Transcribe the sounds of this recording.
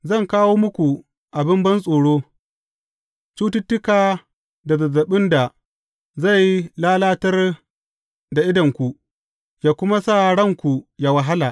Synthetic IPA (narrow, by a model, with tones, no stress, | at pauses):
zɐ˦˨ŋkaː˦woː˦mʊ˦kʷu˨ | ʔa˨bɪ˦mbɐ˦nsʼoː˨ɽoː˦ | t͡ʃuː˦tɪ˦tːʊ˦kaː˨ | da˨zɐ˨zɐ˨ɓɪ˦nda˨ | za˦˨ji˦laː˦laː˦tɐ˦r | da˨ʔɪ˦dɐ˨ŋkʷu˨ | jaː˦˨kʷʊ˦ma˦sa˦ɽɐ˦˨ŋkʷu˨ja˨wɐ˨ɦa˦laː˨ʔ